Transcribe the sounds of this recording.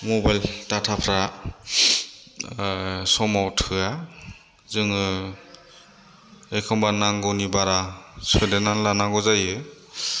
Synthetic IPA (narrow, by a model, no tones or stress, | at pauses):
mɔbajltatʰapʰɾa | sɔmawtʰɯa | zɯŋɯ | ekʰɔmbanaŋɡɔwnibaɾasɯjdenanlanaɡɔzajɯ